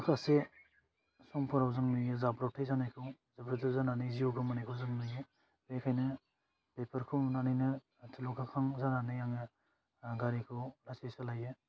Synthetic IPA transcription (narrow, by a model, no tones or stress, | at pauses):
akʰase | sɔŋpʰɔɾawzɯŋnɯjɯzabɾɔtʰajzanajkʰɯw | zabɾatʰɯzananɯziɔɡɯmanijkʰɯwzɯŋnɯjɯ | bekʰajnɯ | pepʰɐɾkʰumnanajnɯ | tʰilukʰakʰaŋzananɯjaŋɯ | ɡaɾikʰɯwlasesalajɯ